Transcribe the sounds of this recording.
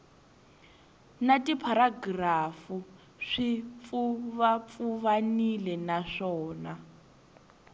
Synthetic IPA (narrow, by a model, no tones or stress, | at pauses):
natipʰaɾaɡrafu | ʂip̪fuβafuβanilɛnaʂɔːna